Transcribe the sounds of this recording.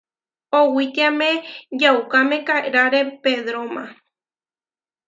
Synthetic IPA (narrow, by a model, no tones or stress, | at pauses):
owit̪iamẽd͡ʒaukamẽkaeɾaɾepeðɾomã